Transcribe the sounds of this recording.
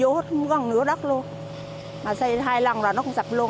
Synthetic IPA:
o˨˦ht̚ɣə˨˧˩nɨ˨˦əɗə˦˥k̚lu˧ən | maː˨˩sə˧jɦaː˧jla˨˧˩ŋzaː˨˩nɔ˨˦kʊ˧˦ŋ͡msa˨˩lu˧ə

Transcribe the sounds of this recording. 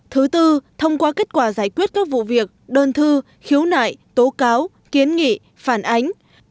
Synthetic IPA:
t̪ʰɨ˨˦t̪ɨ˧t̪ʰə˧wŋ͡mkwaː˧ke˦˥t̚kwaː˧˩zaː˧˩jkwi˦˥ət̚kaː˦˥k̚vṵ˧˨vi˨˩ək̚ɗəː˧nt̪ʰɨ˧ | xi˨˦əwna̰ː˧˨jt̪o˨˦kaː˨˦w | ki˨˦ənŋḭ˧˨ | faː˧˩nʔa˨˦jŋ̟

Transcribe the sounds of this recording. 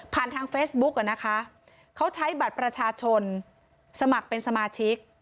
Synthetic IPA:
pʰaː˨˩nt̪ʰaː˧ŋfeː˦˥s̚bu˦˥k̚ʔa˨˩na˦˥kʰa˦˥ | kʰa˦˥wt͡ɕʰa˦˥jba˨˩t̪̚pɾa˧t͡ɕʰaː˧t͡ɕʰo˧n | sa˧ma˨˩k̚pe˧nsa˧maː˧t͡ɕʰi˦˥k̚

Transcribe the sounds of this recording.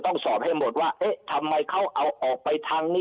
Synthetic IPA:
t̪ɔ˥˩ŋsɔː˨˩p̚ha˥˩jmo˨˩t̪̚waː˥˩ʔe˦˥ʔt̪ʰa˧mːa˧jkʰa˥˩wʔa˧wʔɔː˨˩k̚pa˧jt̪ʰaː˧ŋniː˥˩

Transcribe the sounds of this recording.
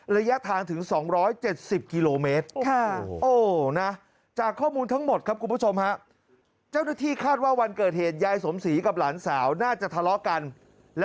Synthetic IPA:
ɾa˧ja˦˥t̪ʰaː˧ŋt̪ʰɯ˩˦ŋsɔː˩˦ŋɾɔː˦˥jt͡ɕe˨˩t̪̚si˨˩p̚ki˧loː˧meː˦˥t̪̚ʰa˥˩ʔoː˧˩na˦˥ | t͡ɕaː˨˩kʰːɔː˥˩muː˧nt̪ʰa˦˥ŋmo˨˩t̪̚kʰa˦˥kʰu˧npʰu˥˩t͡ɕʰo˧mha˦˥ʔ | t͡ɕa˥˩wna˥˩t̪ʰiː˥˩kʰaː˥˩t̪̚waː˥˩wa˧nkɤː˨˩t̪̚heː˨˩t̪̚jaː˧jso˩˦msiː˩˦ka˨˩p̚laː˩˦nsaː˩˦wnaː˥˩t͡ɕa˨˩t̪ʰa˧lɔ˦˥ka˧n | lɛ˦˥

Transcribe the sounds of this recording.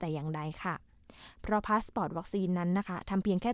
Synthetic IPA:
t̪ɛː˨˩jaː˨˩ŋda˧jkʰa˥˩ | pʰɾɔ˦˥pʰaː˦˥spɔː˨˩t̪̚wa˦˥k̚siː˧nːa˦˥nːa˦˥kʰa˦˥t̪ʰa˧mpʰi˧əŋkʰɛː˥˩

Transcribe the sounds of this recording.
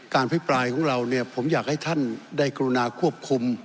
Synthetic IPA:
kaː˧npʰa˦˥˩jpɾaː˧jkʰɔː˩˦ŋɾa˧wni˥˩ɐpʰo˩˦mjaː˨˩k̚ha˥˩jt̪ʰa˥˩ndaː˥˩jka˧ɾu˧naː˧kʰu˥˩p̚kʰu˧m

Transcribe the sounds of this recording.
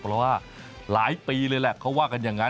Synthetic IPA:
pʰɾɔ˦˥waː˥˩ | laː˩˦jpiː˧lɤː˧jlɛ˨˩kʰa˦˥waː˥˩ka˧njaː˨˩ŋːa˦˥

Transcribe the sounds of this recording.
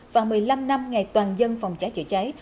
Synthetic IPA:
vaː˨˩mɨ˨˩əjla˧mna˧mŋa˨˩jt̪waː˨˩nzə˧nfɔ˨˩wŋ͡mt͡ɕaː˨˦jt͡ɕɨ̰˧˩t͡ɕa˨˦j

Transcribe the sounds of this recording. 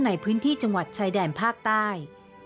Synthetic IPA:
na˧˩jpʰɯː˦˥nt̪ʰiː˥˩t͡ɕa˧ŋwa˨˩t̪̚t͡ɕʰaː˧jdɛː˨˩npʰaː˥˩k̚t̪aː˥˩j

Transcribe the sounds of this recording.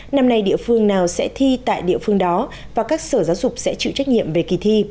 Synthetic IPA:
na˧mna˧jɗḭ˧˨əfɨ˧əŋnaː˨˩wsɛ̰˧˥t̪ʰi˧t̪a̰ː˧˨jɗḭ˧˨əfɨ˧əŋɗɔ˨˦ | vaː˨˩kaː˦˥k̚səː˧˩zaː˨˦wzʊ˨˩k͡p̚sɛ̰˧˥t͡ɕɨ̰˧˨t͡ɕa˦˥k̚ɲḭ˧˨əmve˨˩ki˨˩t̪ʰi˧

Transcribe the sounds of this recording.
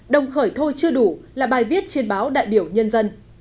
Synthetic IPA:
ɗə˨˩wŋ͡mxəː˧˩jt̪ʰo˧jt͡ɕɨ˧əɗu˧˩laː˨˩ɓaː˨˩jvi˦˥ət̚t͡ɕi˧ənɓaː˨˦wɗa̰ː˧˨jɓi˧˩əwɲə˧nzə˧n

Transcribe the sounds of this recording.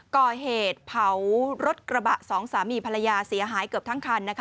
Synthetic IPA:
kɔː˨˩ɦeː˨˩t̪̚pʰa˩˦wɾo˦˥t̪̚kɾa˧ba˨˩ʔsɔː˩˦ŋsaː˩˦miː˧pʰa˧la˧jaː˧si˩˦ɐɦaː˩˦jkɯ˨˩p̪̚ʰa˦˥ŋkʰaː˧nːa˦˥kʰ

